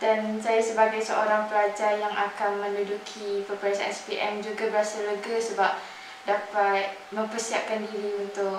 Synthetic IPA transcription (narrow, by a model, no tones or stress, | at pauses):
dansajasəbaɡajsəʔoɾaŋpəlad͡ʒajaŋʔakanmə̃ludukʰipəpɾasɛ̰spiʔɛmd͡ʒuɡabəɾasaləɡasəbap̚ | dapat̪̚mə̃mpərsiap̚kandiɾiunt̪ʊk